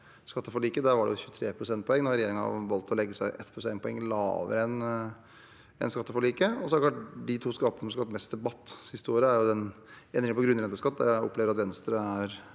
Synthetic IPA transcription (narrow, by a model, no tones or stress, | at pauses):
skɑt̪ːəfɔɭiːkəd̪æɾʋɑɖɛ̰jʊçʉːt̪ʰɾeːpʰɾʊsɛnt̪pɔɛŋːnɔɾɾɛɪjeːɾɪŋɑ̰ʋɑlt̪ʰːɔlɛɡːəsæɪʔɛt̪pɾʊsɛnt̪pʰɔɛŋːlɑ̰ːʋə̰ɾɛn | ɛ̰nskɑt̪ːəfɔɭiːkəɔsɔhædəklɑʈd̪ɪt̪ʰuːskɑt̪ːənəsɔmskɑɑt̪mɛst̪̚d̪ɛbɑt̪ːsɪst̪əoːɾəæɾjʊd̪ɛn | ɛnd̪ɾɪŋənpʰɔɡɾʉnɾɛnt̪əʂkɑt̪ːd̪æ̰ɾæɔ̰pleːʋɾɑt̪ʋɛnst̪ɾəæɾ